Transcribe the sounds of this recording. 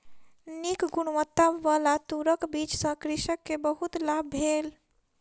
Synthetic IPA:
nikɡuñmət̪ːaːalat̪uɾəkbit͡ʃsə̃kɾiʃəkːebəɦut̪labːʱel

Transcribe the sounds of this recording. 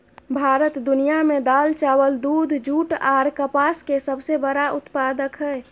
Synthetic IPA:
bʱaːɾət̪d̪unijamed̪aːlt͡ʃawəld̪ud̪ʱd͡ʒuːʈaɾkəpaːskesəbsebəɾaʔʊt̪pad̪əkɦɛɛ

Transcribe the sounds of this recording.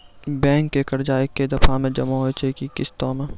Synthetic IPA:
bɛ̃ːŋkːekɐɾd͡ʒaːɪkːed̪ɐfʰamẽd͡ʒɐmaɦot͡ʃʰekikɪst̪õmẽ

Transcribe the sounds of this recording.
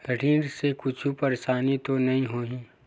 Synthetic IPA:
kɐɖʱĩːɾsekʊt͡ʃʰupɐɾsaːnit̪onɐɦĩɦoːɦĩː

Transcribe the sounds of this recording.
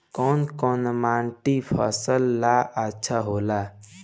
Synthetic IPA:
kɔːnkɔːnmaːɳʈipʰəsəlːaʔətːʃʰaɦoːla

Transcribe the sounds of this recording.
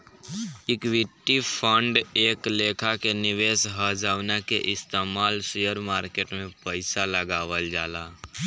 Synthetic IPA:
ɪkʋɪʈːipʰəɳɖeːkleːkʰakenɪʋeːsɦəd͡ʒaːʋnekeʔɪst̪eːmaːlsujəɾmaːɾkeːʈmẽpəɪsaləɡaːʋəld͡ʒaːlaː

